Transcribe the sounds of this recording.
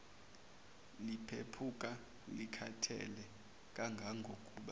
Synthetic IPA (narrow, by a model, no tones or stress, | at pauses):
lipʰepʰukʼa | likʰatʰɛ̰lɛ | k̬ʼaŋɡʱaŋɡʱokʼuːɓa